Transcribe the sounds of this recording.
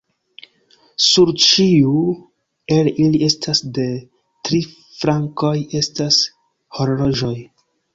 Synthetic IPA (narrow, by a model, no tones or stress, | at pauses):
suɾt͡ʃiu | e̞lilie̞stʰasde̞ | tɾi | fɾaŋko̞je̞stas | ho̞ɾlo̞ʒo̞j